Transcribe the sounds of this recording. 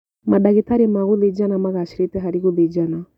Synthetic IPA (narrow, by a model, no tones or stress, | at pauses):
maɗaɣitaɾimaɣuðɛd͡ʒanamaɣaʃiɾitɛɦaɾiɣuðid͡ʒana